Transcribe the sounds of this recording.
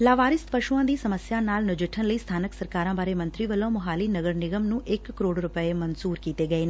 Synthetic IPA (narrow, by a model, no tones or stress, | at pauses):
laːʋaːɾɪst̪pəʃuãːd̪iːsəməsjãːnaːlnʊd͡ʒɪʈʰənləiːst̪ʰaːnəksəɾkaːɾãːbaːɾeːmə̃nt̪ɾiːʋəlõːmʊɦaːliːnəɡəɾnɪɡəmnũːʔɪkːəɾoːɽɾʊpəeːmənsuːɾkiːt̪eːɡəeːn